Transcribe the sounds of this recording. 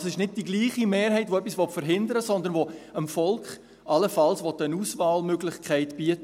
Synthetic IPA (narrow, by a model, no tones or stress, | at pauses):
sɪʃnɪt̚d̥iɡliːχimeːɾɦɛɪtʋoɛpːisʋɔtfəɾɦɪndəɾəsɔnd̪ənʋoəmfɔlkχ | ʔɑləfɑlsʋɔtːənuːsʋɑːlmøɡlɪχkʰɛɪtb̥iətə